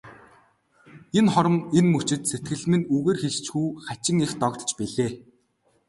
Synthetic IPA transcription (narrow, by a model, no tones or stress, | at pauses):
enχɔɾə̆menmɵt͡ɕɪ̆t̪set̪̚ɡɘ̆ɮmɘ̆nuɣeːrxeɮt͡ɕɡuːχat͡ɕɪ̆ŋext̪ɔkt̪t͡ɕpiɮeː